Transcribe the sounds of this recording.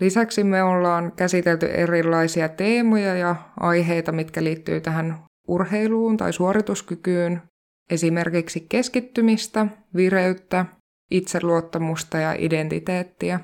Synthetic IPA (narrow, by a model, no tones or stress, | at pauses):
lisæksimeolːɑːŋkæsit̪elt̪y̰ʔḛrilːɑjsiɑt̪eːmojɑjɑʔɑjɦejt̪ɑmit̪kæliːt̪ːy̰ːt̪æɦæn | urhejluːnt̪ɑ̰jsuoɾit̪uskykyːn | e̞sime̞rkiksike̞skit̪ːymist̪æʋiɾeyt̪ːæ | it̪selːuot̪ːɑmust̪ɑjɑ̰ʔḭde̞nt̪it̪eːt̪ːiæ